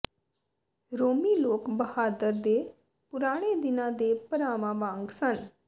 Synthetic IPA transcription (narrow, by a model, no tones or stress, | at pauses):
ɾoːmiːloːkbəhaːd̪əɾd̪eː | pʊɾaːɽ̃ed̪ɪnãːd̪eːpəɾaːʋãːʋãːŋɡsən